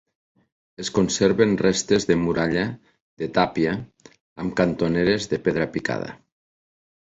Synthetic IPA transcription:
eskonseɾβenrest̪ezðemuɾaʎa | ðet̪apiaː | mkant̪oneɾezðepeðɾapika̰ð̞a̰

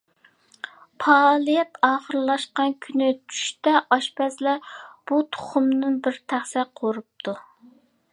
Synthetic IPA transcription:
pʰɑlˠijɛt̪ɑːχəɾɨlˠɑʃqɑnkʲʰynɪt͡ʃʰy̥ʃt̪ɛʔɑʃpɛslɛb̥ut̪ʰo̥χʊmnɨnbɪɾt̪ʰæχsɛqʰoɾup̚t̪ʰu

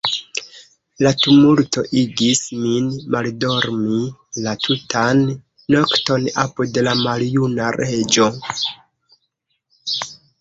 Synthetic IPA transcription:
latumulto̞ʔiɡisminmaldo̞ɾmilatʰutʰanː | o̞kto̞na̰pude̞lamaljunaɾe̞d͡ʒo̞

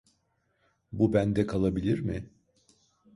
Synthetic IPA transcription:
bubænd̪ɛkʰalˠabilʲiɾmɪ

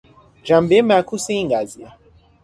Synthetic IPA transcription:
ʒambemakuseiŋɡazia

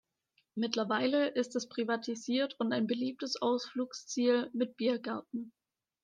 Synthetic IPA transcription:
mɪtlɐvaɪləʔɪstɛspʁ̥ivatʰiziːɐtʰʊntaɪnbəliːp̚təsʔaʊsfluːkst͡siːlmɪt̚b̥iːɐɡaɐtn̩

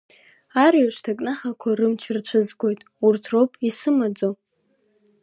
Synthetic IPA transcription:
arɥaʃʷtʰakʼnaħakʷʰarɨmt͡ʃʰɨrt͡ɕʷʰɨzɡʷo̞jtʼ | urtʰropʼisɨmad͡zo

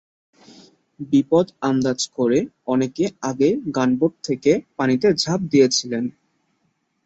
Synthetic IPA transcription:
bipod̪and̪ad͡ʑkoɾe | ɔnekeaɡeɡanboʈ̚t̪ʰːekepanit̪ed͡ʑʱap̚d̪ijet͡ɕʰilen

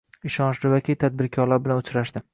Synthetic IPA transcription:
ɪʃɒnʃd̪ɪvakʲit̪ʰad̪̚bɪɾkʲʰɒɾlaɾbɪlanʊt͡ʃɾaʃd̪ɪ

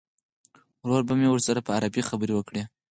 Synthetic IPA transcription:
wɾoɾbamewəɾsaɾapəaɾabixabəɾewəkɽe

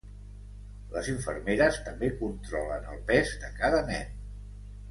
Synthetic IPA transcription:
ləziɱfə̰ɾmeɾəst̪əmbekunt̪ɾɔlənəlˠpɛzðəkaðənɛn

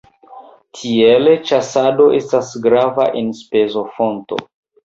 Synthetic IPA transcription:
tʰielet͡ʃasado̞ʔe̞stasɡɾava̰ʔenspezo̞fo̞nto̰

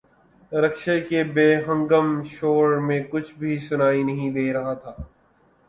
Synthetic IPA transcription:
ɾɐkʃekebeːɦə̃ŋɡəmʃoːɾmẽkʊt͡ʃʰbʱisʊnaːinɐɦĩd̪eːɾɐɦat̪ʰaː

